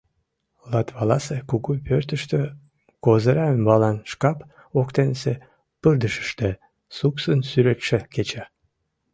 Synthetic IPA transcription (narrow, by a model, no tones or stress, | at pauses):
lɑt̪βɑlɑsekuɣupørt̪əʃt̪ø | kozəɾɑømbɑlɑnʃkɑp | okt̪enese | pɨrd̪əʃə̥ʃt̪ĕ | suksənsyɾet̪ʃeket͡ɕæ